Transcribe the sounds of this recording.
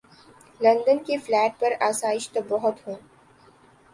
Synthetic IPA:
lɐ̃nd̪ənkeflɛːʈ̚pɐɾaːsaːɪʃt̪obɔɦʊt̪ɦõː

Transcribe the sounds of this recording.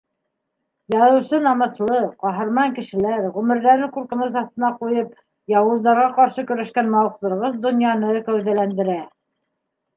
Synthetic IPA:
jɑðɤ̆wsɤnɑmɤ̆t̪lˠɤqɑɦɤ̆ɾmɑŋkɘ̆ʃɘ̆læɾʁʉmɘ̆ɾðæɾɘŋkuɾkɤ̆nɤs̬ɑθt̪ɤ̆nɑqujɤp | jɑwɤ̆zd̪ɑɾʁɑqɑɾʃɤkɵ̆ɾæʃkænmɑwɤqlˠɤ̆ɾʁɤðd̪ŏnjɑnɤkæwðælænd̪ɘ̆ɾæ

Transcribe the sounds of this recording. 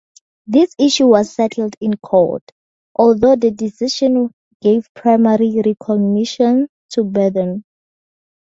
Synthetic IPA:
ðisiʃuwɔzsɛtʰl̩dĩnkʰɔ̰t | ʔɔldodədisiʃɔ̃n | ɡ̥evpʰɹajmaɹiɹikʰɔɡniʃɔ̃n | tʰubɛdɛn

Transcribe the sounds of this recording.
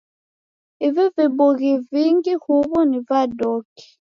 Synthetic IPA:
ivɛveboɣiviŋɡihuβɔnivadɔki̥

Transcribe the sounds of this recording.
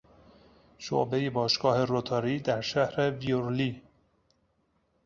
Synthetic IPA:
ʃo̰bejebɒːʃɡ̥ɒːhe̞ɾot̪ʰɒːɾiːd̪æɾʃæhɾevioɾliː

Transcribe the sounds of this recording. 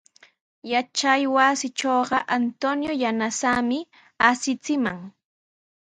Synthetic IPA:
jat͡ʃajwasɪt͡ʃoːɢɑʔant̪onjojanasamɪ | asɪt͡sɪmaŋ

